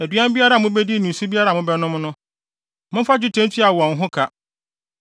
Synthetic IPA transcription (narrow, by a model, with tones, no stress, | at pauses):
æ˨dɥã˦m˦bi˦a˦ɾa˨mʊ̃˦bɛ˦di˦nʊ̃˨n˨su˦bi˦a˦ɾa˨mʊ̃˦bɛ˦nʊ̃˦m˦nʊ̃˦ | mʊ̃˦fa˦d͡ʑᶣʊ˦tʰɛ̃˦n˦tʰi˦a˨wɔ̃˨n˨ɦʊ̃˦kʰa˨